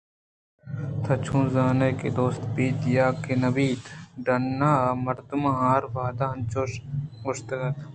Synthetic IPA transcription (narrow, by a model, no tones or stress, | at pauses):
t̪ʰɐt͡ʃʰũːzaːnekḛd̪oːst̪biːt̪jaːkenɐbiːt̪ɖɐnːaːmɐɾd̪umaɦaːɾʋaːd̪aːɐnt͡ʃoːʃʊʃt̪ɐɐt̪